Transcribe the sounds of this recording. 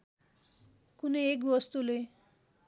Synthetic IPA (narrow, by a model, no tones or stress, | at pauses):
kunʌjek̬bʌst̪ule